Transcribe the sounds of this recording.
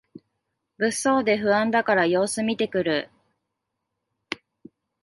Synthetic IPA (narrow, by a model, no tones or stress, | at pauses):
bɯ̟so̞ːd̪e̞ɸɯ̟ãnd̪akaɾajo̞ːsɨmʲit̪e̞kɯ̟ɾɯ̟